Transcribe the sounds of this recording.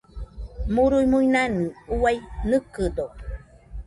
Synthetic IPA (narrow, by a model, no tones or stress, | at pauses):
muɾujmujnanɨuajnɨkɨdo